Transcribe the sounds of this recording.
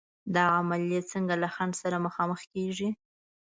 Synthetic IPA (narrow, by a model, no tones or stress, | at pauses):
d̪ɑamaljet͡səŋɡalaxand̪saɾaməxɑməxkeʐi